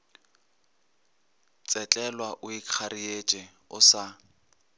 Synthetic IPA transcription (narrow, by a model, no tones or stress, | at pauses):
t͡sʼɛt͡ɬʼɛlwaʔʊikʰaɾiet͡ʃʼɛ | ʊsa